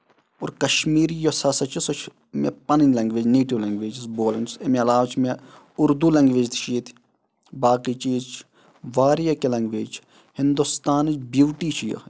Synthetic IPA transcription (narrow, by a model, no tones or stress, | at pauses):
oɾkɐʃmiːɾijosɐsɐt͡ʃʰisot͡ʃʰ | mḛpɐnɐnʲlɐŋɡʋeːd͡ʒneːʈiʋlɐŋɡʋeːd͡ʒisboːlɐnsemeɐlaːʋɐt͡ʃʰme | ʊɾd̪uːlɐŋɡʋeːd͡ʒt̪ʰt͡ʃʰiːt̪ʰ | baːkiːt͡ʃiːt͡ʃʰ | ʋaːɾjɐkelɐŋɡʋeːd͡ʒt͡ʃʰ | hɪnd̪ust̪aːnit͡ʃbjuːʈiːt͡ʃʰijɐ̰